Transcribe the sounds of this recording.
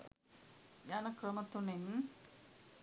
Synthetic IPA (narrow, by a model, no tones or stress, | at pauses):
jaːnɐkrɐmɐt̪ːunen